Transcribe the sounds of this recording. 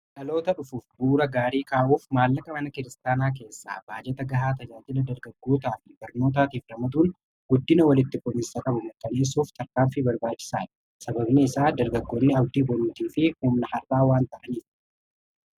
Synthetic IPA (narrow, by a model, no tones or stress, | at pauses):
ᶑɐlo̞ːt̪ɐᶑʊfuːfbuːɾɐɡaːɾiːkaːʔuːfmaːlːɐkʼɐmɐnɐkɪɾɪst̪aːnaːk̬e̞ːsːa̰ːbaːd͡ʒɛt̪ɐɡɐɦaːt̪ɐd͡ʒaːd͡ʒɪlɐd̪ɐɾɡɐɡːo̞ːt̪aːfɪbɐɾno̞ːt̪̬aːt̪iːfɾɐmɐd̪uːn | ɡ̥ʊd̪ːɪnɐwɐlɪt̪ːɪfɔnɪsɐkʼɐbʊmkɐne̞ːsːuːft̪ʰɐɾkaːmfɪbɐɾbaːt͡ʃːɪ̥sa̰ːᶑɪ̥ | sɐbɐbneɪsaːd̪ɐɾɡɐɡːoːnːɪɐbd̪iːbɔluːt̪iːfɪhuːmnɐhɐrʔːaːwaːnt̪ɐʔɐniːt